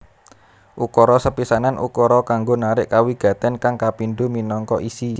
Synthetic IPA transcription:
ʔukɔɾɔsəpisananʔṵkɔɾɔkaŋɡonaɾɪʔkawiɡ̥ä̤t̪ɛnkaŋkapinɖuminɔŋkɔʔisi

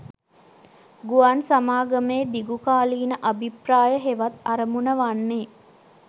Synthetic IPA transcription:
ɡuansamaːɡəmeːd̪iɡukaːliːnəʔabʱipraːjəɦeʋat̪aɾəmunəʋanːeː

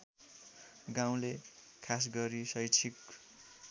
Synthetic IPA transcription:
ɡãw̃le | kʰas̬ɡʌɾisʌjt͡sʰik

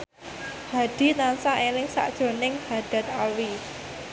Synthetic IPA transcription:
haɖ̥i̤t̪ansaʔelɪŋsa̰ʔd̥ʒ̥o̤nɪŋhad̥a̤t̪̚alwi

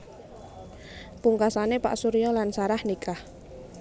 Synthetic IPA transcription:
puŋkasanepa̰ʔsuɾijɔlansaɾahnikʰah

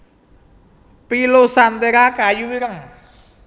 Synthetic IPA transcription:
pilosant̪eɾakajuɾəŋ

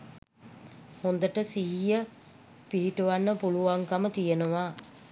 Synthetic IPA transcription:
hond̪əʈəsiɦijə | piɦiʈuʋanːəpuluʋaŋkamət̪ijənəʋa

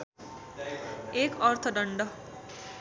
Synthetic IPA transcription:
ekʌrt̪ʰʌɖʌɳɖʌ

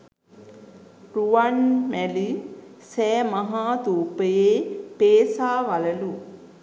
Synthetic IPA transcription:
ruʋanmælisɛːmaɦaːt̪uːpəjeːpeːsaːʋaləlu

